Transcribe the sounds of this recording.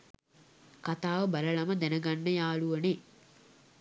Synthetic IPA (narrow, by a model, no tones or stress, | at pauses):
kɐt̪aːʋɐbɐlɐɭɐmɐd̪ɛnɐɡɐnːɐjaːɭuʋɐne